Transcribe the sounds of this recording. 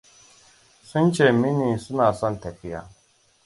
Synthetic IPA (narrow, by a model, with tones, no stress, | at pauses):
su˦nt͡ɕʰe˨mi˦nĩ˨su˦naː˨sã˦nt̪ʰe˨ki˨ja̰˨